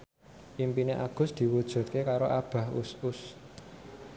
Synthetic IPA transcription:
ʔimpineʔaɡ̥ʊ̤sd̪̥i̤wud̥ʒ̥ṳt̪̚kekaɾoʔab̥ä̤hṵsʊs

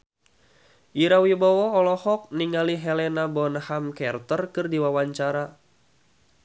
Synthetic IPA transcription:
ʔiɾawibɔwɔɔlɔhɔk̚niŋaliɦɛlɛnabɔnhamkɛrt̪ərkɨrdiwawaɲt͡ʃaɾa

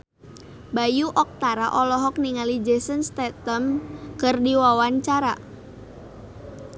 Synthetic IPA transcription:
bajuʔɔk̚t̪aɾaʔɔlɔɦɔk̚niŋalid͡ʒesənst̪ɛt̪əmkɨrdiwawaɲt͡ʃaɾa

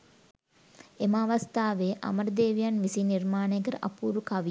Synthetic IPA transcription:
emaːʋast̪aːʋeʔa̰məɾəd̪eːʋijanʋisiːnirmaːnəjkəɾəʔa̰puːɾukaʋi

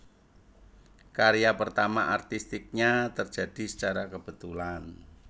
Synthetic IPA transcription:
kaɾijapərt̪amaʔart̪ist̪ɪk̚ɲat̪ərd͡ʒʒ̥a̤d̥i̤sə̥t͡ʃaɾakəb̥ə̤t̪ulan

